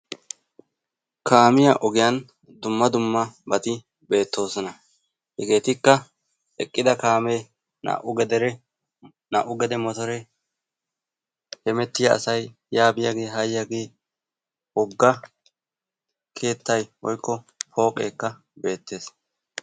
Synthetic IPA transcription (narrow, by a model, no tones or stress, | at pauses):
kʰaːmɪjaʔɔɡɪjɐn | d̪ʊmːɐd̪ʊmːɐbɐt̪ɪ | be̞ːt̪ːo̞ːsɔnɐ | hɛɡe̞ːt̪ɪkːɐ | ɛkʼːɪd̪ɐkaːmeː | na̰ʔʊɡɛd̪ɛɾɛ | na̰ʔʊɡɛd̪ɛmɔt̪ɔɾɛ | hɛmɛt̪ːɪjɐɐ̰sɐj | jaːbɪjaɡe̞ːɦɐjjaɡe̞ː | wɔɡːɐ | kʰe̞ːt̪ːɐjwɔ̰jkːɔ | pʰo̞ːkʼḛːkːɐ | be̞ːt̪ːe̞ːs